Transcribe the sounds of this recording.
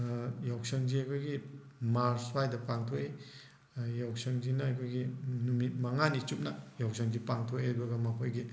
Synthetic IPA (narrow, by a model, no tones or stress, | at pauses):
jawsɐŋd͡ʒiajkʰojɡimaɾswajdɐpaŋtʰoe | jawsɐŋzinaajkʰojɡinumit̚maŋanit͡ʃup̚najawsʰaŋzipaŋtʰoebɐɡɐmapʰojɡi